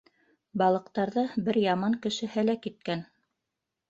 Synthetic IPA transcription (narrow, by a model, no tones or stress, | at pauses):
bɑlˠɤ̆q̚t̪ɑɾðɤbɘɾjɑmɑŋkɘ̆ʃɘhælækit̪̚kæn